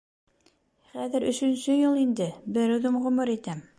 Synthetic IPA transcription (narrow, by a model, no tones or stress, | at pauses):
χæðɘɾɵ̆ʃɵ̆nɕɵjɤlˠind̪ɘbɘ̆ɾɘðomʁɵ̆moɾit̪æm